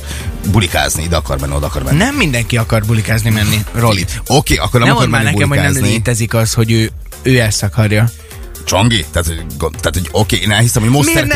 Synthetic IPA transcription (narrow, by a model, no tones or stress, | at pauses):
bulika̰ːzniid̪ɛkɒrmɛ̰nːiod̪ɒkɒrmɛ̰nɛmːind̪ɛŋkiɒkɒrbulikaːznimɛnːirolit̪okeːʔɒ̰kːornɛnmɔmoɔɾmɛnːinɛulkɛmmhoanɛzmleːt̪ɛzikɒsho̞ɟøː | øːɛsɒkɒrjɒ | t͡ʃoŋɡit̪aːt̪hoɡot̪aːt̪hoɟokeːeːnɛlhisɛmhoɟmoːsɛr